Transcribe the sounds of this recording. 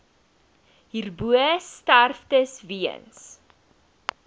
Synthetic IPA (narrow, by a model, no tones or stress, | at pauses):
ɦirbuəstærftəsviə̰ns